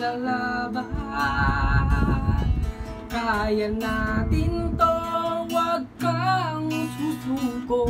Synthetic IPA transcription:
alaba | kajanat̪int̪owakːaŋsusuko

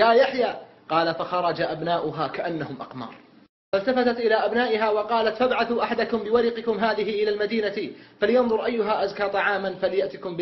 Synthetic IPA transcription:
jaːjaħjaː | qɑːlafaxɑɾˤɑd͡ʒaʔabnaːʔʊɦaːkaʔanːahʊmʔɑ̰qmɑ̰ːɾˤ | falt̪afat̪at̪ʔɪlaːʔabnaːʔɪɦaːwɑqɑːlat̪fabʕaθuːʔaħad̪akʊmbɪwaɾɪqɪkʊmɦaːðɪɦɪʔɪlaːlmad̪iːnafalɪjɑnðˤʊɾʔajːʊɦaʔazkaːt̪ˤɑʕaːmanfalɪjaʔt̪ɪkʊmb

